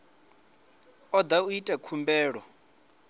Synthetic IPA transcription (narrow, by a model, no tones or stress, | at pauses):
ɔd̪auitʼɛkʰumbɛːɺɔ